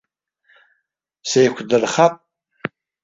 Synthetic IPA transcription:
sejkʷʰdɨrχapʼ

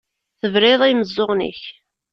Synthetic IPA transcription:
θəvɾɪðˤiməzˤːoʁnə̰ç

